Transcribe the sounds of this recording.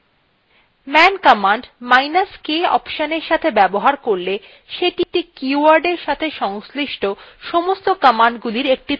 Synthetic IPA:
mɛnkɔmaɳɖmajnaskeɔ̰pʃaneɾʃat̪ʰebɛboɦaɾkoɾle | ʃeʈiʈikuuaɾɖeɾʃat̪ʰeʃɔŋsliʃʈʰoʃomost̪okamaɳɖɡuliɾek̚ʈi

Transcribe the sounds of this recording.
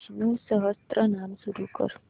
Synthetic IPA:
nusʌɦəst̪ɾənamsuɾukə̰ɾ

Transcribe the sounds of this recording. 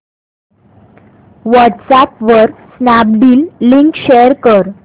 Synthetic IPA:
ʋəʈsapʋəɾsnab̚ɖiːlːiŋkɕeəɾkəɾ

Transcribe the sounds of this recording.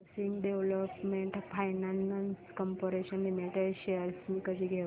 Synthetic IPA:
siŋɡɖeʋləpmeɳʈfʰajnananskɔmpoɾeɕənlimeʈəɕeəɾsmikəd͡ʒiɡʱe

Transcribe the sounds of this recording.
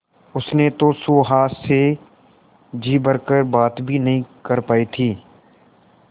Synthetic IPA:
ʊsnet̪osuːɦaːse | d͡ʒiːbəɾkəɾbaːt̪bʱinɐɦĩkəɾpaːit̪ʰiː

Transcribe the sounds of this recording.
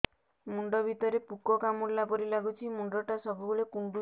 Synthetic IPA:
muɳɖɔbʱit̪ɔɾepukɔkamuɽlapɔɾilaɡut͡ʃʰimuɳɖɔʈasɔbubuɭekuɳɖu

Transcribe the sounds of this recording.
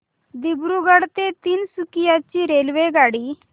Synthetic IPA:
d̪ibɾuɡəɽt̪et̪iːnsukijat͡ɕiːɾelʋeɡaɽiː

